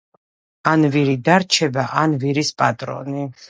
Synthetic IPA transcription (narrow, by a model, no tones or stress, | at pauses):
anviɾid̪aɾt͡ʃʰɛbaʔanviɾispʼat̪ʼɾɔ̰ni